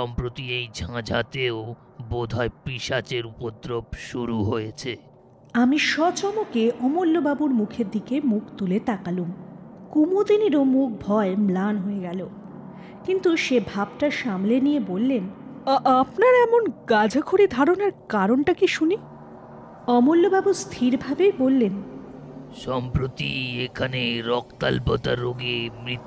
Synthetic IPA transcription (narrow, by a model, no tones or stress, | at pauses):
ʃʃɔmpɾot̪iejd͡ʑʱãd͡ʑʱat̪eo | bod̪ʱaepɾiʃat͡ɕeɾupod̪ɾobʃuɾuɦojet͡ɕʰe | amiʃɔt͡ɕɔmokeʔɔmolːobabuɾmukʰeɾd̪ikemukʰt̪ulet̪akalumkumud̪iniɾomuk̚bʱɔemlanɦoeɡɛlo | kint̪uʃebʱabʈaʃamlenijebolːenapnaɾɛmonɡad͡ʑʱakʰoɾid̪ʱaɾonaɾkaɾonʈakiʃuni | ɔmolːobabust̪ʰiɾbʱabebolːen | ʃɔmpɾot̪ḭekʰaneɾɔk̚t̪a̰lpɔt̪a̰ɾːoɡemɾit̪ː